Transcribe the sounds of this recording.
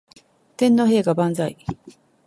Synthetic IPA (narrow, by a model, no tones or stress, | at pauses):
t̪ẽ̞nːo̞ɦe̞ːɡabãnzai